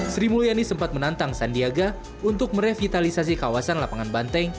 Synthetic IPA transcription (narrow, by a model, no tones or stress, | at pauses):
sɾimulijanisəmpat̪̚mənant̪aŋsandiaɡa | unt̪ʊk̚məɾefit̪alisas̬ikawasanlapaŋanbant̪ɛŋ